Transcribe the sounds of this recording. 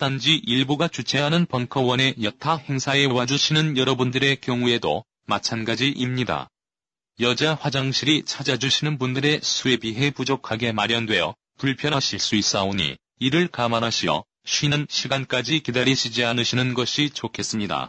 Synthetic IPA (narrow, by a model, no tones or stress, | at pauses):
t͈and͡ʑiʔiɭbuɡat͡ɕut͡ɕʰe̞ɦanɯnpʌnkʰʌwʌne̞jʌtʰahe̞ŋsʰae̞wad͡ʑuɕʰinɯnjʌɾʌbundɯɾe̞kjʌŋue̞do̰ | mat͡ɕʰanɡad͡ʑiʔimɲida̰ | jʌd͡ʑaɸwad͡ʑaŋɕʰiɾit͡ɕʰad͡ʑad͡ʑuɕʰinɯnbundɯɾe̞sʰue̞biɦe̞pud͡ʑokʰaɡe̞maɾjʌndwe̞jʌ | puɭpʰjʌɾaɕʰiɭs͈uis͈aoɲḭ | iɾɯɭkamaɾɦaɕʰiʌ̰ | ɕʰɥinɯnɕʰiɡank͈ad͡ʑikedaɾiɕʰid͡ʑiɦanɯɕʰinɯnɡʌɕʰit͡ɕokʰe̞s͈ɯmɲida̰